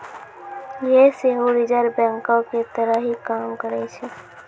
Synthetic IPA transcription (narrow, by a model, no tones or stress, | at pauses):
jeseɦoɾɪd͡ʒəɾbɛ̃ːŋkõket̪əɾəɦikaːmkəɾet͡ʃʰe